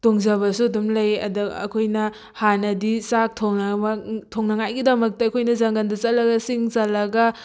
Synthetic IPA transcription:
toŋzɐβɐsuɐdumlɐjɐ̰duɐ̰kʰojnɐ | hanɐdisak̚tʰoŋnɐtʰoŋnɐŋajɡidɐmɐk̚tɐɐkʰojnɐzaŋɡandɐt͡ʃɐlɐɡɐsiŋt͡ʃɐlɐɡɐ

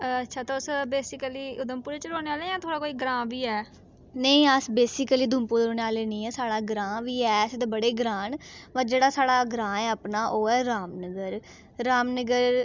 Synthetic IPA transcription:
tːʃʰaːt̪aːʊsbeːsɪkəliːʔʊd̪əmpuːɾeːt͡ʃəɾoːneːaːlejãːt̪ʰoːɽaːkoːiːɡɾãːʋiːɛː | nəĩːəsbeːsɪkəliːd̪ʱʊmpuːd̪ɾoːneːaːleːnĩːɛːsaːɽaːɡɾãːʋiːɛːsd̪ebəɽeːɡɾãːɳʋəɾd͡ʒeːɽaːsaːɽaːɡɾãːɛːəpnaːʔoːɛːɾaːmnəɡəɾ | ɾaːmnəɡəɾ

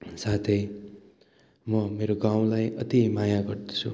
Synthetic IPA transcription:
sat̪ʰʌj | mʌmeɾoɡaw̃lajʌt̪imajaɡʌrd̪ʌ̥t͡sʰṵ

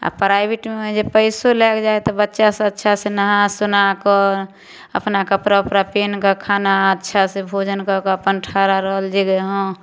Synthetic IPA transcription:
a̰pɾaɪbiʈmed͡ʒepəɪsolɛkd͡ʒaet̪ɔbətːʃasẽətːʃʰasẽnəɦãsunakə | ə̰pnakəpɾaupɾapenkakʰanaətːʃʰasẽbʱod͡ʒənkɔkəpənʈʰaɾaɾəɦəld͡ʒeɡeɦõ

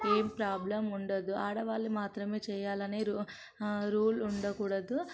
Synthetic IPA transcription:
eːmpɾaːblɐmuɳɖɐd̪ːuaːɽɐʋaːlːimaːt̪ɾɐme̞ːt͡ʃɛːjaːlɐneːɾu | ɾuːluɳɖɐkuːɽɐd̪u

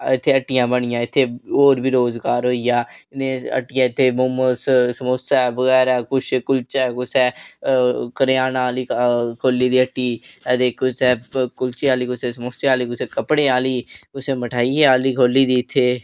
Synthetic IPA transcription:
ɪt̪ʰːeːəʈːɪjãːbəɳ̃ɪjãːɪt̪ʰːeːoːɾbʱiːɾoːzɡaːɾɦoːijaːɪnẽːə̰ʈːɪjãːɪt̪ʰːeːmʊməssəmoːsɛːbəɣɛːɾɛːkʊt͡ʃʰkʊlt͡ʃɛːkʊsɛː | kəɾjaːnaːliːkʰoːlːiːd̪iːəʈːiːəd̪eːkʊsɛːkʊlt͡ʃeːaːliːkʊseːsəmoːseaːliːkʊsẽːkəpɽeːaːliːkʊsẽːməʈʰaːiːɛːaːliːkʰoːlːiːd̪iːɪt̪ʰːeː

